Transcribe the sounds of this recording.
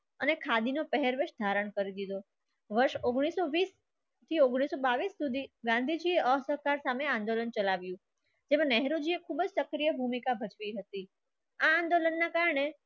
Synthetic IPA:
ənekʰad̪inopəɦeɾʋeʃd̪ʱaɾəɳkəɾid̪id̪o | ʋəɾʃoɡɽ̃isoʋis | t̪ʰioɡɽ̃isobaʋisːud̪ʱiɡãnd̪ʱid͡ʒieʔəsəɾkaɾsameãnd̪olənt͡ʃəlaʋjũ | d͡ʒemãnɛɦɾod͡ʒiekʰubd͡ʒsəkɾijəbʱumikabʱət͡ʃʋiɦət̪i | aãnd̪olənːakaɾɳe

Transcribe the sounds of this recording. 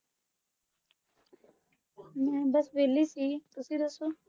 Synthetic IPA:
mɛ̃ːbəsʋeːliːsiːt̪ʊsid̪ɐsoː

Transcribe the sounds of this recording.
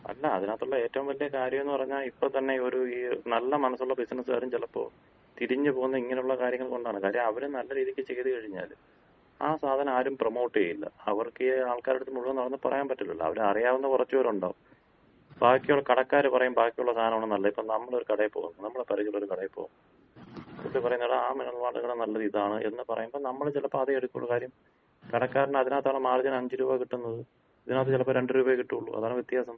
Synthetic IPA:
ɐ̰lːɐɐ̰ðinaːt̪ːuɭːɐe̞ːtːɐʋumʋɐlːijɐkaːɾjɐme̞nːɨpɐrɐɲːaːlipːot̪ɐnːe̞o̞ɾuiːnɐlːɐmɐnɐsːuɭːɐbisnɐsːɨɐ̰ɾumt͡ɕelːɐpːo̞̰ː | t̪iɾiɲːɨpo̞ːɣunːɐiŋːɐneuɭːɐkaːɾjɐŋːɐɭko̞ɳɖaːɳɨkaːɾjɐmɐʋɐɾenɐlːɐɾiːðikʲːɨt͡ɕe̞jðɨkɐɻiɲːa̰ːl | a̰ːsaːd̪ʱɐnɐmaːɾumprɐmo̞ːʈːɨkejilːɐ̰ɐʋɐrkɨaːɭkaːɾeɽut̪ːɨmuɻuʋɐnːɐɽɐnːpɐrɐ̰jaːmpɐʈːilːilːɐ̰ɐ̰ʋɐɾeɐrijaːʋenːɐkurɐt͡ɕːuoɾuɳɖo̰ː | baːkːijuɭːɐkɐɽɐkːaːɾɨpɐrɐjumbaːkːijuɭːɐst̪ʰaːnɐmaːɳɨnɐlːɐipːoːnɐmːɐɭoɾukɐɽɐpːo̞̰ːɣunːɐɨnɐmːɐɭepɐɾɐɣiɭo̞ɾukɐɽɐjpːo̰ːɣunːɐ | oepɐrɐjunːɐɽɨaːminuɭʋaːɽɨŋɐɳɨnɐlːɐðiðaːɳɨʔe̞̰nːɨpɐrɐ̰jumbo̞ːnɐmːɐɭet͡ɕilɐpːoɐðeeɽukːṵɭɐkaːɾjɐm | kɐɽɐkːaːɾɐnɐðinaːt̪ːaːɳɨmaːrd͡ʑɐnɐɲd͡ʑiɾuːbaːkiʈːunːɐðɨ | ɐðinaːt̪̬ːɨt͡ɕilɐpːoɾe̞ɳɖɨɾuːbɐekiʈːuuɭːṵʔɐ̰ðaːɳɨʋjet̪jaːsɐm

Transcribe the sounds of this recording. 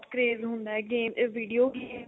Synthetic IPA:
ʈkɾeːzɦʊ̃nd̪aɛɡeːmʋiːɖijoːɡeː

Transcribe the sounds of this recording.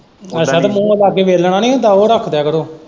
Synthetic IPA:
əsaːd̪mũːəlaːkeːʋeːlɳãːnĩːd̪ãːoːɾəkʰd̪jaːkəɾoː

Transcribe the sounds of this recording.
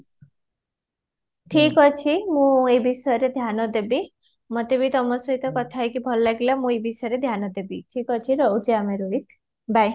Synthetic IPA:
ʈʰikɔt͡ʃʰimũebisɔjɔɾed̪ʱjanɔd̪ebi | mɔt̪ebit̪ɔmɔsɔɦit̪ɔkɔt̪ʰajkibʱɔlɔlaɡilamũebisɔjɔɾed̪ʱjanɔd̪ebiʈʰikɔt͡ʃʰiɾɔwt͡ʃiameɾoɦit̪ʰ | bʱaj

